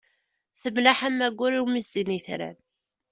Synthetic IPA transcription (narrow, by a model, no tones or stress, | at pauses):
θəmlaħamːæɡʷːʊɾiwmisiniθɾæ̰n